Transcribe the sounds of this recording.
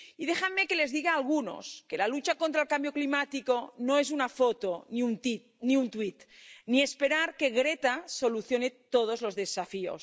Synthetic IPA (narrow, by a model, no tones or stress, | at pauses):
iðexammekele̞zðiɣaːlɣuno̰skelalut͡ʃakont̪ɾaelkambjo̞klimat̪ikonoezunafot̪oniunt̪it̪̚ | niunt̪wit̪niespeɾaɾke̞ɣɾet̪aso̞luθjonet̪oð̞ozlo̞zðesafio̰s